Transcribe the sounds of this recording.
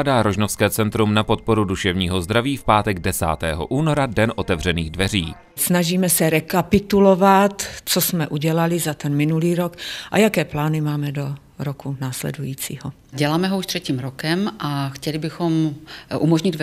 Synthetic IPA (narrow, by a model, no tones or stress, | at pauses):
daːɾoʒnofskɛːt͡sɛnt̪ɾumnapo̞t̪̚po̞ɾuduʃɛvɲiːɦo̞zd̪ɾaviːfpaːt̪ɛɡ̚dɛsa̰ːt̪ɛ̰ːɦo̰ʔuːno̞ɾadɛnʔo̞t̪ɛvr̝ɛniːɣdvɛriː | snaʒiːmɛsɛɾɛkapɪt̪ulovat̪t͡sosmɛʔuɟɛlalɪzat̪ɛnmɪnuliːɾokʔajakɛːplaːnɪmaːmɛdo̞ | ɾokunaːslɛ̰dujiːt͡sḭːɦo | ɟɛlaːmɛɦouʃt̪r̥ɛciːmɾokɛmʔaxcɛlɪbɪxomʔumoʒɲɪd̪